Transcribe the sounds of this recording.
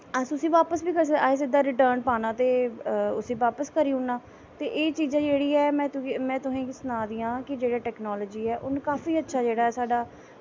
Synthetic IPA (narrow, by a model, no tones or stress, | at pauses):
əsʊsĩːʋaːpəsbiːkəɾsəaːɪs̬ɪd̪aːɾɪʈəːɾnpaːnãːt̪eːʊsĩːʋaːpəskəɾiːʊnaː | t̪eːʔeːt͡ʃiːzãːd͡ʒeːɽiːɛːmɛ̃ːt̪mɛ̃ːt̪ʊsẽːɪsʊnaːd̪iːãːkɪd͡ʒeːɽaːʈɛːknɔːlɔːd͡ʒiːɛːʔʊnkaːfiːətːʃʰaːd͡ʒeːɽaːɦɛːsaːɖaː